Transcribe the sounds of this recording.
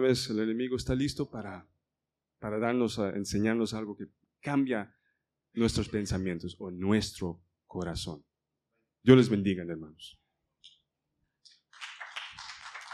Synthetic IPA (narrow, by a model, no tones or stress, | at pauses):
βeselene̞miɣoest̪alist̪opaɾa | paɾaðaɾnosaḛnseɲaɾnosalɣoke | kambja | nwe̞st̪ɾospe̞nsamjent̪osonwe̞st̪ɾo | koɾaso̞̰n | ɟ͡ʝolezβe̞nd̪iɣaneɾmanos